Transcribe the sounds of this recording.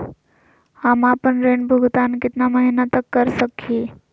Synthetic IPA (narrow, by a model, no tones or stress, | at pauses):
hamaːpənɾeːnbʱuɡt̪aːnkɪt̪naməɦinat̪əkːəɾsəki